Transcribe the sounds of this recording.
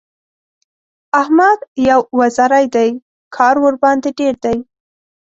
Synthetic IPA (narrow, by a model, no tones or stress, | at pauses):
ahmad̪jawwazaɾajd̪aj | kʰɑɾwəɾbɑnd̪eɖeɾd̪aj